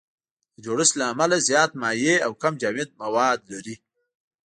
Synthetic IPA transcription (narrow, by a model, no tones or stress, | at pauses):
d̪̥əd͡ʒoɽəst̪laːmalazjɑːt̪̚mɑjeawkamd͡ʒaːmet̪̚mawɑːd̪laɾi